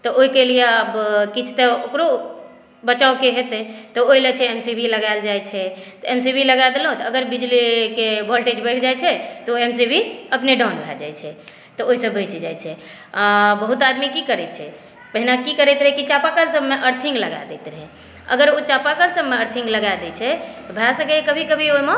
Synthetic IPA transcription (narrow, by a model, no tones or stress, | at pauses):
t̪ɔʔoɦikelijeəbkit͡ʃʰt̪eokɾo | bət͡ʃaokeɦet̪ɛt̪ɔojlɛt͡ʃʰɛemsibʱiləɡajld͡ʒajt͡ʃʰɛt̪ɔemsibʱiləɡad̪elɦõt̪ɔəɡəɾbid͡ʒlikebʱɔlʈed͡ʒbəɪʈʰd͡ʒajt͡ʃʰɛt̪ɔemsibʱiəpneɖɔnbʱɛ̰ld͡ʒa̰jt͡ʃʰɛ | t̪ɔoɦisəbbəɪt͡ʃd͡ʒajt͡ʃʰɛ | bəɦut̪ad̪mikikəɾɛt̪̚t͡ʃʰɛ | pəɦinakikəɾɛt̪ɾəɦɛkit͡ʃapakəlsəbmeʔəɾt̪ʰiŋɡləɡa̰d̪ɛt̪ɾəɦɛ | ə̰ɡəɾot͡ʃapakəlsəbmeəɾt̪ʰĩŋɡləɡad̪ɛt͡ʃʰɛt̪ɔbʱelasəkɛkəbʱikəbʱioime